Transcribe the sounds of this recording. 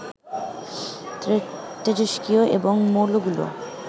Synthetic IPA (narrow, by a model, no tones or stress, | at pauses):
t̪ed͡ʑoʃkioʔḛboŋmoloɡulo̰